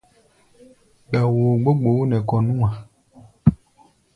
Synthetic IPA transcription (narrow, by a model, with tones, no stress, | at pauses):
ɡ͡ba˨wo˨ɡ͡bo˦ɡ͡bo˨wo˦nɛ̃˨kɔ˨nũ˦a˨